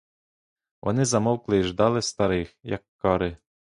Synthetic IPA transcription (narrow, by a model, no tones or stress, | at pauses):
ʋɔ̰nɪzɐmɔwklˠɪiʒd̪ɑlˠɪst̪ɐɾɪxjɐ̰kːɔɾɪ